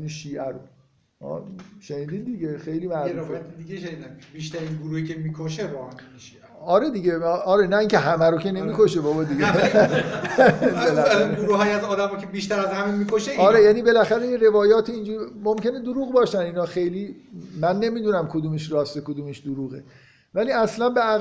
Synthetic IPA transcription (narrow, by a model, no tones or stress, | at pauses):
niʃiːʔæɾo | hɒ̰ːʃe̞niːd̪iːd̪̚d̪iɡexe̞jlimæʔɾuɾfejt̪ed̪iɡeʃeniːd̪æmbiʃt̪æɾinɡʊɾuːhicʰemikʰoʃebɔannʃieɒɾed̪iɟeʔɒɾenæiːŋcʰe̞ɦæmæɾocʰene̞miːkʰoʃebɒbɒːd̪iɡe | belæɡoɾuːɦɒːjiæzɒːd̪æmɒːcʰebiʃt̪æɾæzhæmemikʰoʃeiɒɾejæːnibe̞læxæɾejeɾe̞vɒːjɒːt̪ʰiːnd͡ʒuːɾimomce̞ned̪oɾuːɣbɒːʃæninɒːxe̞jlimænːe̞miːd̪unæmkʰod̪uːmeʃrɒːst̪ekod̪uːmeʃd̪oɾuːɣe | væliæslænbeæ